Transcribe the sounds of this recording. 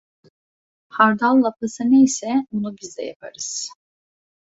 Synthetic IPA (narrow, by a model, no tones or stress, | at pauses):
haɾd̪alˠːapʰasɯnejsɛbunubizd̪ɛ̰ja̰pʰa̰ɾɯz̥